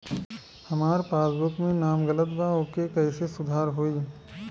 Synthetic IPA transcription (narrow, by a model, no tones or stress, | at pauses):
hɐmaːɾpaːsbʊkmẽnaːmɡələt̪baoːkekɐɪsesʊd̪ʱaːɾɦoːi